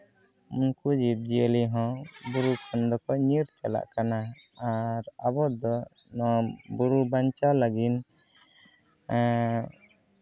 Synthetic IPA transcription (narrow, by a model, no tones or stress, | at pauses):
munkud͡ʒib̚d͡ʒiəliɦɔ̃buɾukʰɔnd̪ɔkɔɲiɾt͡ʃala̰ʔkanaː | ɾabɔd̪ɔnɔbuɾubaɲt͡ʃaləɡin